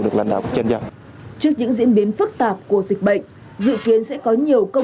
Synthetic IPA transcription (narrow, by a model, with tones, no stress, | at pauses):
ɗɨ˨˩k̚laː˧nɗa̰ː˧˨wkːk̚t͡ɕə˧nzaː˧˩ | t͡ɕɨ˦˥ək̚ɲɨ̰˧˥ŋzḭ˧˥ənɓi˨˦ənfɨ˦˥k̚t̪aː˨˩p̚ku˧˩əzi˨˩k̟̚ɓə̰˧˨jŋ̟ | zɨ̰˧˨ki˨˦ənsɛ̰˧˥kɔ˨˦ɲi˨˩əwkə˧